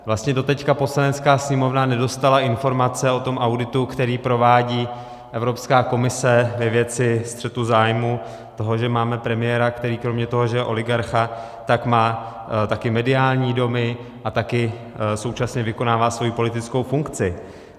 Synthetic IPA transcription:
vlast̪ɲɛdo̞t̪ɛckapo̞slanɛt͡skaːsɲɛmo̞vnanɛdo̞st̪alaʔɪnfo̞ɾmat͡sɛo̞t̪o̞mʔawdɪt̪ukt̪ɛɾiːpɾo̞vaːɟiː | ʔɛvɾo̞pskaːko̞mɪsɛvɛvjɛt͡sɪst̪r̥ɛt̪uzaːjmu | t̪o̞ɦo̞ʒɛmaːmɛpɾɛmɪjɛːɾakt̪ɛɾiːkɾo̞mɲɛt̪o̞ɦo̞ʒɛjɛʔo̞lɪɡaɾxa | t̪akmaː | t̪akɪmɛdɪaːlɲiːdo̞mɪ | ʔat̪akɪ | so̞wt͡ʃasɲɛvɪko̞naːvaːsvo̞jipo̞lɪt̪ɪt͡sko̞wfuŋkt͡sɪ

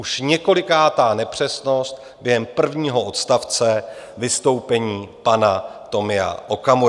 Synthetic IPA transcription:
uʃɲɛko̞lɪkaːt̪aːnɛpr̝̥ɛsno̞st̪̚ | bjɛɦɛmpr̩vɲiːɦo̞ʔot̪st̪aft͡sɛvɪst̪o̞wpɛɲiːpanat̪o̞mɪa̰ʔo̞kamu

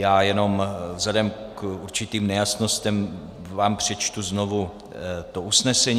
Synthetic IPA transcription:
jaːjɛno̞mvzlɛdɛmkʔuɾt͡ʃɪt̪iːmnɛjasno̞st̪ɛm | vaːmpr̝̥ɛt͡ʃt̪uzno̞vu | t̪oʔusnɛsɛɲ

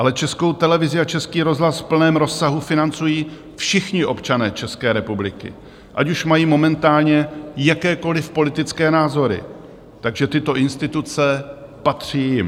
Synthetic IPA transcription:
ʔalɛt͡ʃɛsko̞wt̪ɛlɛvɪzɪat͡ʃɛskiːɾo̞zɦlasfpl̩nɛːmɾo̞sːaɦufɪnant͡sujiː | fʃɪxɲɪʔo̞pt͡ʃanɛːt͡ʃɛskɛːɾɛpublɪkɪ̰ | ʔacuʃmajiːmo̞mɛnt̪aːlɲɛjakɛːko̞lɪfpo̞lɪt̪ɪt͡skɛːnaːzo̞ɾɪ̰ | t̪aɡʒɛt̪ɪt̪o̞ʔɪnst̪ɪt̪ut͡sɛ | pat̪r̝̥iːjɪm

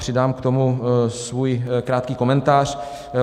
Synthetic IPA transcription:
r̥ɪdaːmkt̪o̞musvujkɾaːt̪kiːko̞mɛnt̪aːr̝̥

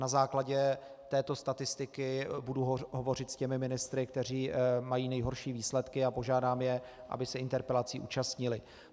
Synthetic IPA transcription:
nazaːklaɟɛ | t̪ɛːt̪o̞st̪at̪ɪst̪ɪkɪbuduɦovo̞rɪt̪scɛmɪmɪnɪst̪ɾɪkt̪ɛr̝iːmajiːnɛjɦo̞ɾʃiːviːslɛt̪kɪapo̞ʒaːdaːmjɛʔa̰bɪsɛɪnt̪ɛɾpɛlat͡siːʔṵːt͡ʃast̪ɲɪlɪ

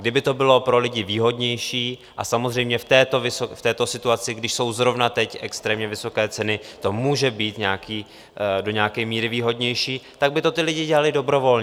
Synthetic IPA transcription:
ɡdɪbɪt̪o̞bɪlo̞pɾo̞lɪɟɪviːɦo̞dɲɛjʃiːʔasamozr̝ɛjmɲɛft̪ɛːt̪ovɪsoft̪ɛːt̪o̞sɪt̪uat͡sɪɡdɪʃso̞wzɾo̞vnat̪ɛcʔɛkst̪ɾɛːmɲɛvɪso̞kɛːt͡sɛnɪt̪o̞muːʒɛbiːt̪ɲɛaakiː | do̞ɲaakɛːmiːɾɪviːɦo̞dɲɛjʃiːt̪aɡ̚bɪt̪ot̪ɪlɪɟɪɟɛlalɪdo̞bɾo̞vo̞lɲ

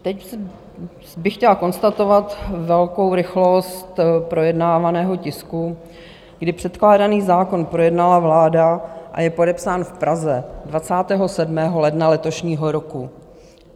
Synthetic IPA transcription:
t̪ɛcs | bɪxcɛlako̞nst̪at̪o̞vat̪vɛlko̞wɾɪxlo̞st̪pɾo̞jɛdnaːvanɛːɦo̞cɪsku | ɡdɪpr̝̥ɛt̪klaːdaniːzaːko̞npɾo̞jɛdnalavlaːdaʔa̰jɛpo̞dɛpsaːnfpɾazɛdvat͡saːt̪ɛːɦo̞sɛdmɛːɦo̞lɛdnalɛt̪o̞ʃɲiːɦoɾoku

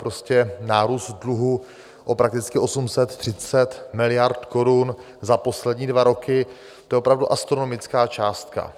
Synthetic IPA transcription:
pɾo̞scɛnaːɾuːst̪dluɦu | ʔo̞pɾak̚t̪ɪt͡skɪʔo̞sumsɛt̪ːr̥ɪt͡sɛt̪mɪlɪjaɾt̪ko̞ɾun | zapo̞slɛdɲiːdvaɾo̞kɪ | t̪ojɛopɾavduʔast̪ɾono̞mɪt͡skaːt͡ʃaːst̪̚ka̰

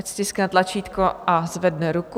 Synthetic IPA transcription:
st̪ɪsknat̪lat͡ʃiːt̪koʔazvɛdnɛɾuk

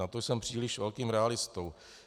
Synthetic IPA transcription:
at̪ojsɛmpr̥iːlɪʃvɛlkiːmɾɛalɪst̪ow

